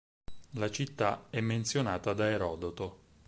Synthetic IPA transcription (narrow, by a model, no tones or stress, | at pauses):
lat͡ʃit̪ːaɛmːent̪sjonaːt̪ad̪aeɾɔːd̪ot̪o